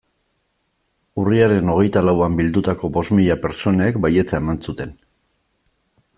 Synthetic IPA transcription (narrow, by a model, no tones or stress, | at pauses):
uriaɾe̞no̞ɣ̞e̞jt̪alawambild̪ut̪ako̞bo̞zmiʎape̞ɾt͡so̞ne̞ːkbaje̞t͡sae̞mansut̪e̞n